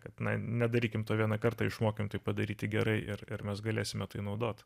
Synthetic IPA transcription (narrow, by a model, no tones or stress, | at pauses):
kɐt̪nɐɪnʲɛd̪ɐɾʲiːkʲɪmt̪oːʋʲiɛnɐkɐrt̪ɑɪʃmoːkʲemt̪ɐɪpɐd̪ɐɾʲiːt̪ʲɪɡʲɛɾɐɪɪɾɪɾmʲɛsɡɐlʲeːsʲɪmʲɛt̪ɐɪnɐʊd̪oːt̪